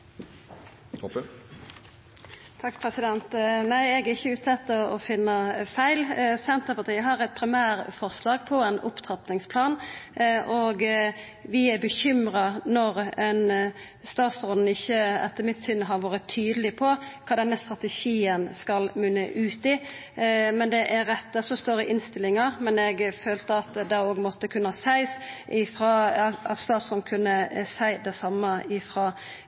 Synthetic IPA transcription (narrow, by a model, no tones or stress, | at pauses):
t̪ʰɑkːpʰɾɛsɪd̪ɛnt̪næɪɛɡæɪçːəʉːt̪ʰɛt̪ːəɔɔfɪnːəfæɪlsɛnt̪əpɑt̪iːəɦɑʁɛt̪̚pʰɾɪmæːɾfɔʁslɑːɡ̚pʰɔɛnʔʊ̰pt̪ʰʁɑpnɪŋspʰlɑːnʔoɡ | ʋɪæbəçʏmʁɑnɔʁɛn | st̪ɑːt̪sʁɔln̩ɪçːəɛ̰t̪ʰːəmɪt̪sʏnɦɑɾʋɑːɾət̪ʰːyːd̪əlɪpʰɔkʰɑːd̪ɛnːəst̪ɾɑt̪ɛʃiːənskɑlmʉnːə̰ʔʉːt̪iː | mɛnd̪ɛʔæɾɛt̪ːd̪ɛsɔst̪oːɾɪʔɪnst̪ɪlːɪŋɑɾmɛnɛɡføːlt̪əɑt̪d̪ɑoːɡmɔt̪ːəkʰʉnəɑsæɪsʔɪfɾɑːɑt̪st̪ɑːt̪sɔd̪n̩kʰʉnːəsæɪd̪ɛsɑmːəɪfɾɑː